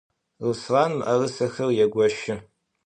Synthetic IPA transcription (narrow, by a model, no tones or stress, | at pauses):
rɨsraːnmʔɐrɨsɐxɐrjɛɡʷɔʃɪ